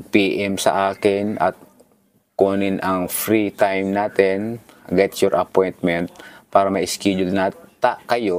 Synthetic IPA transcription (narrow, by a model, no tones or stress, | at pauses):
ɡ̚piːʔɛmsɐ̰ʔaːkɪnʔɐ̰t̪̚ | koːnɪnʔɐŋfɹit̪ajmnaːt̪ɛnɡɛt̪jɔɹʔɐpojnt̪̚mɛnt̪̚paːɾɐmɐjʔɪskɛːd͡ʒʊlnat̪akɐjo